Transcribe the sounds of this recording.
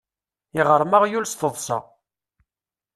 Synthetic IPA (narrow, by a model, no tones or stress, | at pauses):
ɪʁəɾˤməʁjulst̪əðˤsɑ̰